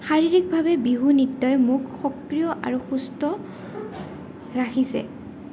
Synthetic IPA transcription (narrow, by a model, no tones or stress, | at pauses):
xaɹiɹik̚bʱabɛbiɦunitːɔjmukxɔkɹijɔʔa̰ɹuxustɔ | ɹakʰisɛ̰